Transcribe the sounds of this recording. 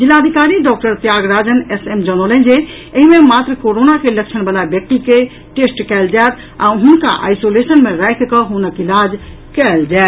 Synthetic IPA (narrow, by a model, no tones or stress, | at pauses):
d͡ʒilːaəd̪ʱikaɾiɖɔk̚ʈəɾt̪jaɡɾad͡ʒənesemd͡ʒəñolɛnd͡ʒe | əɦimemat̪ɾəkoɾonakelək̚t͡ʃʰənbalabjək̚t̪ike | ʈesʈkɛld͡ʒat̪ | aɦunka̰ʔa̰jsolesənmeɾajkkəɦonəkilad͡ʒ | kɛld͡ʒaet̪